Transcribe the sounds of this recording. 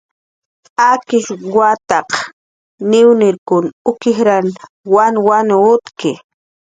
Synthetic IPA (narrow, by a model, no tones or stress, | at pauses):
akɪʃwat̪ɑq | nɪwnɪɾkʊnʊkɪxɾan | wanwanːt̪kɪ